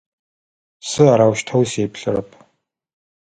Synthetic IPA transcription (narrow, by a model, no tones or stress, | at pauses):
sɨaɾawʃtʰɐwseːpɬɨɾɐ̰pʰʼ